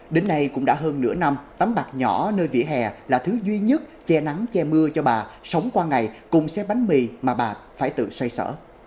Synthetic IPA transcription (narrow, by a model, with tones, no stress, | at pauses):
ɗe˨˦nːa˧jkʊ̰˧˥ŋ͡mɗa̰ː˧˥ɦəː˧nːɨ̰˧˥əna˧mt̪a˨˦mɓa˨˩k̚ɲɔ˧˩nəː˧jvḭ˧˥əɦɛ˨˩laː˨˩t̪ʰɨ˨˦zwi˧ɲə˦˥t̚t͡ɕɛ˧na˨˦ŋt͡ɕɛ˧mɨ˧ət͡ɕɔ˧ɓaː˨˩sə˨˦wŋ͡mkwaː˧ŋa˨˩jkʊ̰˧˥ŋ͡msɛ˨˧˥ɓa˨˦jŋmi˨˩maː˨˩ɓaː˨˩faː˧˩jt̪ɨ̰˧˨swa˧jsə̰ː˧˥˨